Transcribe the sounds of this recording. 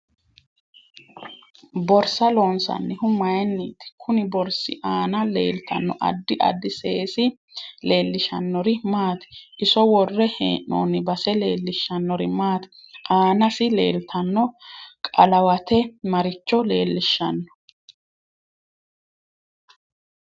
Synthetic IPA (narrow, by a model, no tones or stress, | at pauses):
bɔɾsɐloːnsɐ̰nːɪhʊmɐjnːiːt̪ɪ̥kʰʊnɪbɔɾsɪ̰ʔaːnɐlḛːlt̪ʰɐ̰nːɔʔɐ̰d̪ːɪʔɐ̰d̪ːɪseːsɪ | le̞ːlːɪʃɐnːɔɾɪmaːt̪ɛ̥ʔɪsɔwɔrːɛhḛːʔo̰ːnɪbɐsɛle̞ːlːɪʃːɐnːɔɾɪmaːt̪ɛ̥ʔaːnɐsɪle̞̰ːlt̪ʰɐnːɔkʼɐlɐwɐt̪ɛmɐɾɪt͡ʃːɔle̞̰ːlːɪʃːɐnːɔ̥